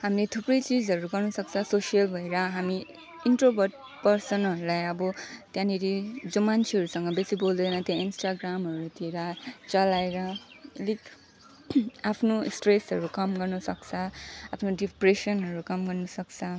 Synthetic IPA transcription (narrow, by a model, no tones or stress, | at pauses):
hamlet̪ʰuprʌjt͡sid͡zɦʌɾuɡʌrnʌsʌk̚t͡sʰʌsosijʌlbʱʌeɾʌɦami | inʈrobʱʌrʈ̚ | pʌrsʌnɦʌɾulajʌbʌt̪jãneɾid͡zomant͡sʰeɦʌɾusʌŋɡʌbesibold̪ʌnʌ̃t̪jãinsʈaɡramɦʌɾut̪iɾʌt͡sʌlaeɾʌ | lik | apʰnosʈresɦʌɾukʌmɡʌrnʌsʌkt͡sʰʌapʰnoɖipresʌnɦʌɾukʌmɡʌrnʌsʌkt͡sʰʌ